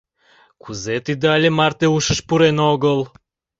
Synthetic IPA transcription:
kuzet̪id̪əɑlʲemɑrt̪euʃəʃpuɾenoɣəl

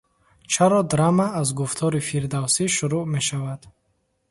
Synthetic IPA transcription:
t͡ʃʰaɾɔd̪ɾamaːzɡuft̪ʰɔɾifiɾd̪awsiʃuɾuʔme̞ʃavad̪̥

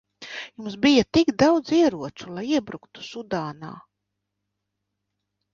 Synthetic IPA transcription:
jumsbijat̪ikd̪awd̪ziɛɾuɔt͡ʃulˠajiɛbɾukt̪u̥sud̪aːna̰ː

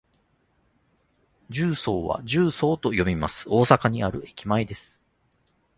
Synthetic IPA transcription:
d͡ʑɨːso̞ːβa̰d͡ʑɨːso̞ːt̪o̞jo̞mʲima̰sɨ̥o̞ːsakaɲ̟iaɾɯ̟e̞kʲimaid̪e̞sɨ̥

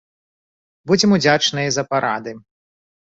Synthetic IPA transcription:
bud͡zʲɛmud͡zʲat͡ʂnɨjɐzɐpaɾʔa̰d̪ɨ

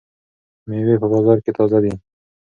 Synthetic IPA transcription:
mewepəbɑzɑɾket̪ɑzad̪i

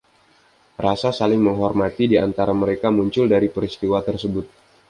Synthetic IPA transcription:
rasasalɪŋməŋɦɔrmat̪idiant̪aɾaməɾekamuɲt͡ʃʊldaɾipəɾist̪iwat̪ərsəbʊt̪̚

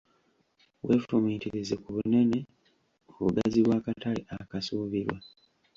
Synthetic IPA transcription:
we̞ːfumiːtiɾizekuβune̞ne̞ | oβṵɡaziβwaːkataliʔakasuːβiɾwa

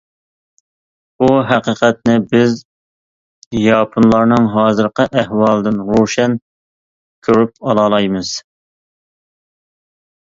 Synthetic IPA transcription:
uɦæqəːqʰɛt̪̚nɪbɪz | jɑpʰunlˠɑɾnɨŋɦɑːzɨɾqəʔæhwɑlˠd̪ɨnʁoʃɛn | kʲʰøɾyp̚ɑlˠɑlˠɑjmɨz̥

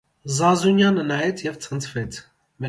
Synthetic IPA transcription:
zɑzunjɑnənɑjɛt͡sʰjɛvt͡sʰənt͡sʰvɛt͡sʰ | mɛ

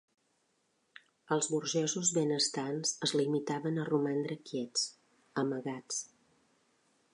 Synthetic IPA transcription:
əlˠzβuɾʒɛzuzβenəst̪anz̥əzlimit̪aβənərumand̪ɾəkjɛt͡s | əməɣat͡s

